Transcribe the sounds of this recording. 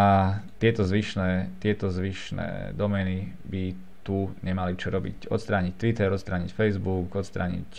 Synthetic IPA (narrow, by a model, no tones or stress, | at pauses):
at̪ɪɛt̪ɔzʋiʃnɛːt̪ɪɛt̪ɔzʋiʃnɛ̰ːd̪ɔmɛni | bi | t̪uɲɛmalit͡ʃɔɾɔbḭcɔ̰t̪st̪ɾaːɲic̚t̪ʋit̪ɛɾɔt̪st̪ɾaːɲicfɛjzbukɔt̪st̪ɾa̰ːɲḭc